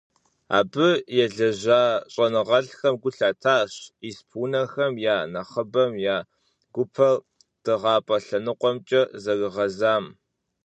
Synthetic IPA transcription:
a̰ːbɨjɛɮɐʑaːɕʼɐnɨʁɐɮxɐmɡʷʊɬaːtʰaːɕispʰuːnɐxɐmjaːnɐχəbɐmjaː | ɡ̥ʷʊpʰɐr | d̥ɨʁɑːpʼɐɬɐnɨqʷʼɔmt͡ʃʼɐzɐɡɨʁɐzaːm

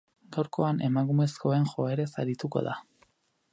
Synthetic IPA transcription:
ɡawɾko̞ane̞makume̞sko̞e̞nxo̞e̞ɾe̞saɾit̪uko̞̰ða̰

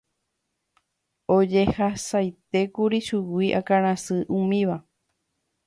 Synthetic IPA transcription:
od͡ʒehasajt̪e̞kuɾiʃuwiʔakaɾ̃ãsɨʔũmĩʋa

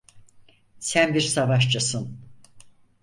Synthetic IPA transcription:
sænbiɾsavaʃt͡ʃʰasɯn

